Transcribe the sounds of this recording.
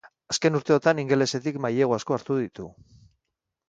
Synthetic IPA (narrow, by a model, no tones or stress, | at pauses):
aske̞nuɾt̪e̞o̞t̪aniŋɡe̞le̞se̞t̪ikmajeɣoasko̞aɾt̪uðit̪u